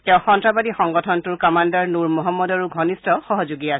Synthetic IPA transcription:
tɛʊ̃xɔntɹabadixɔŋɡɔtʰɔntuɹkɔmandaɹnuɹmɔɦɔmːɔdaɹuɡʱɔnistɔxɔɦɔzuɡia

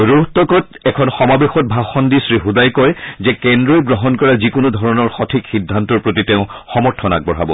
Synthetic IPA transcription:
ɹuɦtɔkɔt̚ɛkʰɔnxɔmabexɔt̚bʱaxɔndisɹixudajkɔjzɛkɛndɹɔjɡɹɔɦɔnkɔɹazikunʊdʱɔɹɔnɔɹxɔtʰikxidʱːantɔɹpɹotiteʊ̃xɔmɔɹtʰɔna̰k̚bɔɹɦabɔ̰

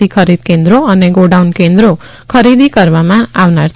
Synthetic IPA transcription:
ikʰʌɾid̪̚kend̪ɾoʌneɡoɖawnkend̪ɾo | kʰʌɾid̪ʱikʌɾmamãawnaɾ

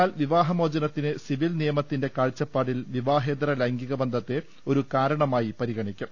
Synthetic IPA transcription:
aːlʋiʋaːɦɐmoːd͡ʑɐnɐt̪ːinɨsiʋilnijɐmɐt̪ːinde̞kaːɭt͡ɕːɐpːaːɽilʋiʋaːɦe̞ːd̪rɐlɐŋɡiɣɐbɐnd̪ʱɐt̪ːe̞ | o̞ɾukaːɾɐɳɐmaːjipɐɾiɣɐɳikʲːu

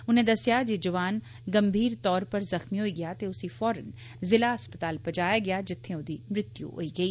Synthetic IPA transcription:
ʊnẽd̪ɐsjad͡ʒed͡ʒɐʋaːn | ɡɐmbʱiːɾt̪ɔːɾpɐɾzɐxmiɦoiɡɪjat̪eʊsifɔːɾən | zɪlaɦɐspət̪aːlpɐd͡ʒaːjaɡɪjad͡ʒɪt̪ʰːẽʊd̪iːmɾɪt̪jṵɦo̰ːiɡɐiː

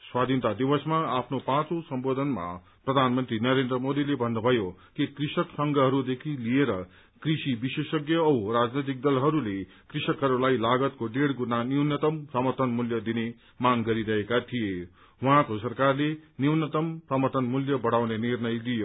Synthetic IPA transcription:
swad̪ʱint̪ad̪ibʌsmaapʰnopãt͡sosʌmbod̪ʱʌnma̰ | prʌd̪ʱanmʌnt̪rinʌɾend̪rʌmod̪ilebʱʌnːobʱʌjokikrisʌksʌŋɡʌɦʌɾud̪ekʰilijeɾʌ | krisibisesʌɡjʌːwrad͡znit̪̬ik̚d̪ʌlɦʌɾule | krisʌkɦʌɾulajlaɡʌt̪koɖeɽɡunaniwnʌt̪ʌmprʌmʌrt̪ʌnmuljʌd̪ine | maŋɡʌɾiɾʌɦekat̪ʰije | wuɦãkosʌrkarleniwnʌt̪ʌmprʌmʌrt̪ʌnmuljʌbʌɽawnenirnʌjlijo

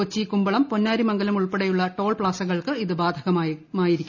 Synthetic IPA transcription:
ot͡ɕːikumbɐɭɐmponːaːɾimɐŋɡɐlumuɭpeɽɐjuɭːɐʈo̞ːɭpɭaːsɐɣɐɭkɨiðɨbaːd̪ʱɐɣɐmaːmaːjiɾikʲː

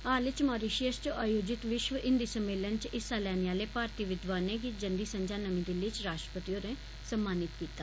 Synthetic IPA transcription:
aːlɪt͡ʃmaːɾiʃijəst͡ʃʔaːjoːd͡ʒɪt̪ʋɪʃʋəʔɪnd̪iːsəmeːlənt͡ʃɪsaːlɛːneaːleːpaːɾt̪iːʋɪd̪ʋaːneːɡid͡ʒənd̪iːsəɲd͡ʒaːnəmĩːd̪ɪlit͡ʃɾaːʃtɾə̥pət̪ioːɾẽː | səmːaːnɪt̪kiːt̪aː

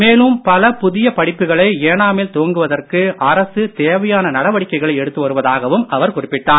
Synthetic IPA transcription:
meːlɯmpɐlɐpʊðɪjɐpɐɽɪpːɯɣɐɭɐɪeːnaːmeːlt̪oːŋɡɯʋɐðɐrkɯɐɾɐsɯt̪eːʋɐjaːnɐnɐɽɐʋɐɽɪkːɐɪɣɐɭɐɪɛɽɯt̪ːɯʋɐɾɯʋɐðaːɣɐʋɯmʔɐʋɐɾkʊrɪpːɪʈːaːn

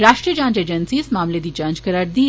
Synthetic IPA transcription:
ɾaʂʈɾiəd͡ʒãːnd͡ʑed͡ʑənsiːsmamled̪it͡ʃãnd͡ʒkəɾaʈd̪i

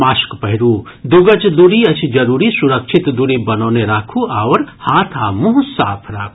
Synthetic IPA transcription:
maːʃkpɐɦɪɾuː | d̪uɡɐt͡ʃd̪uɾiɐt͡ʃʰd͡ʒɐɾuːɾisuɾɐkʃʰit̪d̪uɾibɐnoːneɾakʰuaːʋɾhaːt̪ʰaːmuɦsa̰ːpʰɾa̰ːkʰu

